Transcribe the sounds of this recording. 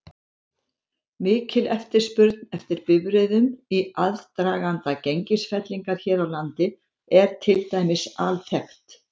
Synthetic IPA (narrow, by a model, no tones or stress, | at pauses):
mɪːcɪlɛft̪ɪɾ̥spʏɾt̪̚nɛft̪ɪɾpɪvɾɪðʏmiaðt̪ɾaːɣant̪acejɲcɪsfɛt̪liŋkaɾ̥çɛːɾawlant̪ɪ | ɛɾ̥t̪ʰɪlt̪ajmɪsalθɛxt̪